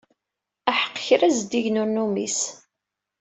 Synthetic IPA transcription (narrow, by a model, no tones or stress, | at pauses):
æħə̥qːçɾæzd̪iʝnʊɾnumis